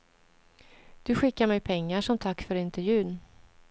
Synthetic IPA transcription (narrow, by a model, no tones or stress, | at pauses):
d̪̥ɵɧɪkːaɾmɛjpʰɛŋːaʂɔmt̪ʰakːfœɾɪnt̪ɛɾjʉ̟ːn